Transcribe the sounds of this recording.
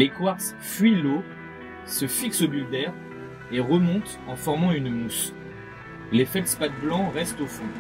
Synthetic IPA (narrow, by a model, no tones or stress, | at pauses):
lekwaʁs | fɥilo | səfiksobyld̪ɛʁ | eʁəmɔ̃t̪ | ɑ̃fɔʁmɑ̃ynmus | lefɛlspat̪̚blɑ̃ʁɛst̪ofu